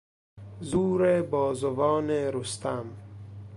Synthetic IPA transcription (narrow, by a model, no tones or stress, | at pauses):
zuːɾebɔːzovɔːneɾust̪am